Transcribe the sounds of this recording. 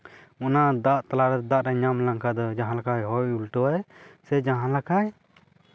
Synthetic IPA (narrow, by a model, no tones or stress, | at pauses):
ɔnad̪aʔt̪alaɾɛd̪d̪aʔɾaɲamlaŋkʰad̪ɔd͡ʒaɦãlakʰajɦɔjulʈɔwasɛd͡ʒaɦãlakʰaj